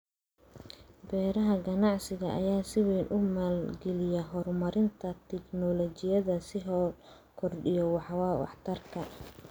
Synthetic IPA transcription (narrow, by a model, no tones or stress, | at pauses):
bɛːɾɐɦɐɡɐnɑʕsɪɣɐʔːjaːsɪwɛːnʔʊmaːlɡɛlɪjɐɦɔrmɐɾɪnt̪ʰɐt̪ʰɛɡnɔlɔt͡ʃɪjɐðɐsɪɦɔ | kʰɔrɖɪjɔwɑħwɑːwɑ̰ħt̪ʰɐrkʰɐ